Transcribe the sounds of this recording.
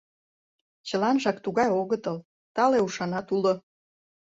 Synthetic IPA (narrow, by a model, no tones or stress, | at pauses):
t͡ɕəlɑnʒɑkt̪uɣɑjoɣət̪ɤl | t̪ɑleuʃɑnɑt̪ulo